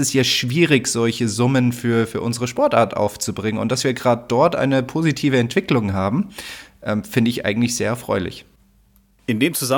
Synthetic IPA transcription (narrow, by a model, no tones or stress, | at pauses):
ɛstjaːʃv̥iːʁɪçz̥ɔlçəzʊmənfyːɐfyːɐʔʊnzəʁəʃpɔɐtʔa̰ːɐtʔa̰ʊft͡subʁɪŋənʊntd̥asv̥iːɐɡʁaːdəd̥ɔɐtʔa̰ɪnəpʰoːzitʰiːvəɛntv̥ɪklʊŋɦaːbm̩ʔɛːmfɪndəɪçʔa̰ɪɡŋ̩tlɪçz̥eːɐɛɐfʁ̥ɔʏlɪ̰ç | ʔɪndeːmt͡suza